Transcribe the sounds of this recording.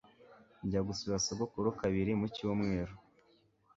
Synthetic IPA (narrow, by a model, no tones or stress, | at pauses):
ɲɟaɡusuβasoɡokuɾukaβiɾimuciomŋeːɾu